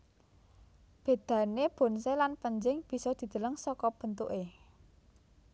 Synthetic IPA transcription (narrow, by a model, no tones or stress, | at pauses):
b̥e̤d̪̥ä̤neb̥o̤nselanpəɲd͡ʒɪŋb̥i̤sɔd̪̥i̤d̪̥ə̤ləŋsɔkɔb̥ə̤nt̪uʔe